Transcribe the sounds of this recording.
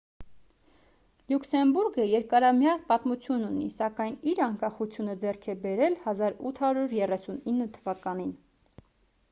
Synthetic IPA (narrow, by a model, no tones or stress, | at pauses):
luksɛmbuɾɡəjɛɾkɑɾɑmjɑrt̪̚pɑt̪mut͡sʰjununḭsɑkɑjniɾɑŋkɑχut͡sʰjunəd͡zɛrkʰɛbɛɾɛlhɑzɑɾut̪ʰhɑɾuɾjɛrɛsuninːət̪ʰəvɑkɑnin